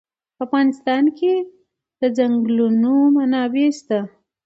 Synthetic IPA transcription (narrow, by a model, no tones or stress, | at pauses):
pəafɣɑnɪst̪ɑnkʰe | d̪̥əd͡ʒaŋɡlunomanɑbest̪a